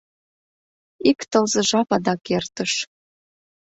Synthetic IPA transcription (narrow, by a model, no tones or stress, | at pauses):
ikt̪ɤlzə̆ʒɑpɑd̪ɑkert̪əʃ